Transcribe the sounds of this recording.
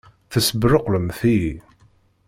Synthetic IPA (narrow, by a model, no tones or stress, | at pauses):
θəsəbɾəqləmθi